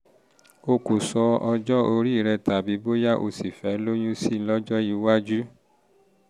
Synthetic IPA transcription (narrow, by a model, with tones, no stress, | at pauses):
o˧ku˨sɔ˧ɔ˧d͡ʒɔ˦o˧ɾi˦˨ɾɛ˧ta˨bi˨˦bo˦ja˦ʔo̰˧si˨fɛ˨˦lo˦jũ˦si˦lɔ˦d͡ʒɔ˦ji˨˧˦wa˦d͡ʒu˦